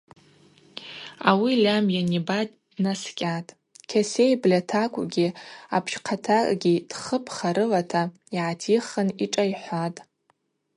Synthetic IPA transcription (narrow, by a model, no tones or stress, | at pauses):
a̰wilʲamjanibadʼ | naskʲʼatʼ | kʲʰase̞jblʲatʰakʷʼɡʲiapʰʃqʰatʰakʼɡʲid̥χəpʰχaɾɨlatʰa | iʕatʰiχəniʈ͡ʂʼajħʷatʼ